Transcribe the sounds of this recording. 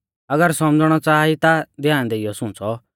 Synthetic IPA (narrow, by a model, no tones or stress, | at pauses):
ɐɡəɾsɔmd͡zɽ̃ɔt͡saːit̪ad̪jaːɽ̃d̪eijɔsʊ̃t͡sɔ